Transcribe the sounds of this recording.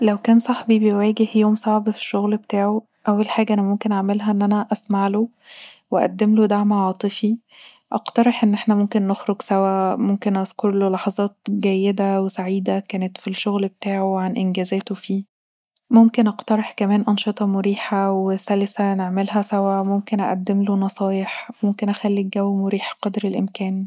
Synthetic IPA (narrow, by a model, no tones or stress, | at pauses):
læwkæːnsˤɑħbibejwæːɡehjoːmsˤɑʕbfi̥ʃːoɣlbet̪aːʕo | ʔæwːælħaːɡæʔænæmomkenʔaʕmelɦæʔenːʔænæʔæsmaʕlo | weʔæ̰d̪ːemlod̪aʕmʕɑːt̪ˤɨfi | ʔɑ̰qt̪ɑɾˤeħʔenːʔeħnæmomkenːoxɾoɡsæwæmomkenʔɑzkoɾˤlolɑħɑzˤɑːt̪̚ɡæjːed̪æwesaʕiːd̪ækæːnet̪filʃoɣlbet̪aːʕoʕanʔenɡæːzæːt̪ofiː | momkenʔɑqt̪ɑɾˤeħkæmæːnʔɑnʃet̪ˤɑmoɾiːħawesælesæneʕmelɦæsæwæmomkenʔæ̰ʔæd̪ːemlonɑsˤɑːjeħmomkenʔæxælːiɡæwːmoɾiːħqɑd̪ɾelʔḛmkæːn